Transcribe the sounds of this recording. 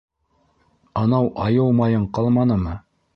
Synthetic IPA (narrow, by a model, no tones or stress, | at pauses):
ɑnɑwʔɑjɤlˠmɑjɤɴqɑlˠmɑnɤmɤ